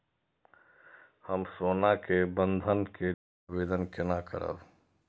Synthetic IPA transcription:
həmsoːnakebə̃nd̪ʱənke | ʋeːd̪ənkɪnakə̰ɾə̰ʋ

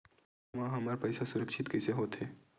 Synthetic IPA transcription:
mãɦɐmaːɾpɐɪsasʊɾəkʃɪt̪kɛːseɦoːt̪ɦeː

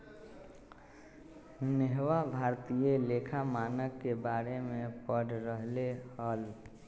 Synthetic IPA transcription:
neɦwabʱaːɾt̪ijeleːkʰamaːnəkːebaːɾemẽpəɽɾəɦleɦəl

